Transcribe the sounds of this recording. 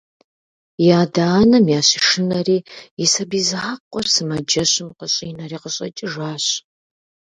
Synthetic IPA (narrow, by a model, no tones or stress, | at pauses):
jaːdaːnɐmjaːɕiʂɨnɐriːjɪsɐbiːzaːqʷʼɔrsɨmɐd͡ʒɐɕʼɪmqəɕʼiːnɐriːqəɕʼɐ̰t͡ʃʼiʒaːɕ